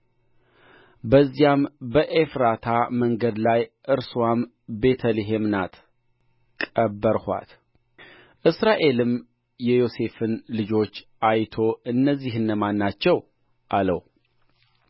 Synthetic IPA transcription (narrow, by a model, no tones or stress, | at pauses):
bəzːijambəʔefɾat̪ʰaməŋɡəd̪lajʔɨɾswam | be̞t̪ʰəliɦe̞mnat̪ | kʼəbːəɾhʷa̰t̪ | ʔɨsɾaʔe̞lɨm | jɛjo̞se̞fɨnlɨd͡ʒo̞t͡ʃː | ʔajt̪ʰo̞ɨnːəzːihɨnːəmanːat͡ʃːɛw | ʔaləw